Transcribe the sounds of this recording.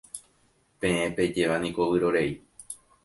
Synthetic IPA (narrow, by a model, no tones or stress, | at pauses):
pẽ̞ẽpe̞d͡ʒe̞ʋanĩko̞ʋɨɾoɾe̞i